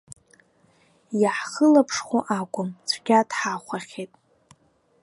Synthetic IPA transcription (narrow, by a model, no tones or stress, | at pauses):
jaħχəlapʰʂχʷuʔakʷʼʊmt͡sʷʰɡʲadħaχʷaχʲetʼ